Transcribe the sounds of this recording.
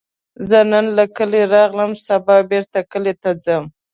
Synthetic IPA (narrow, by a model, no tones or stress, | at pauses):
zənənlakəleɾɑɣləmsabɑbeɾt̪akəlet̪ad͡zəm